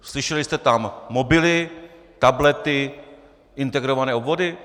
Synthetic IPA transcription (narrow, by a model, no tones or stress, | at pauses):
slɪʃɛlɪst̪ɛt̪amːobɪlɪ | t̪ablɛt̪ɪ | ʔɪnt̪ɛɡɾovanɛːobvodɪ